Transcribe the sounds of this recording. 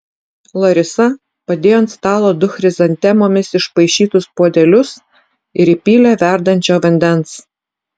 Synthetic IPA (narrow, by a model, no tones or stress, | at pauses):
lˠɐɾʲɪsɐ | pɐd̪ʲeːjoːnt̪st̪ɑːlˠoːd̪ʊxʲɾʲɪzɐnʲt̪ʲɛmoːmʲɪsɪʃpɐɪʃʲiːt̪ʊspoːd̪ʲɛlʲʊs | ɪɾiːpʲiːlʲæʋʲæˑɾd̪ɐnʲt͡ʃʲoːʋɐnʲd̪ʲɛns